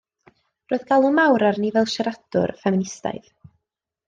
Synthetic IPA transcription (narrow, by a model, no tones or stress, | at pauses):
roːɨðɡ̥alˠʊmawɾarnivɛlˠʃɛɾadʊ̰rfɛmɪnɪsta̰jð